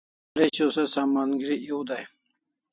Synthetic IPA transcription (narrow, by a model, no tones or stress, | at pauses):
let͡ɕosɐsaːmaːnɡiɾijuwd̪aj